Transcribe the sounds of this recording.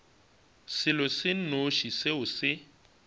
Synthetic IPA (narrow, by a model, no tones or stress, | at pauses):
sɪlɔsɪn̩noʃisɪɦʊsɪ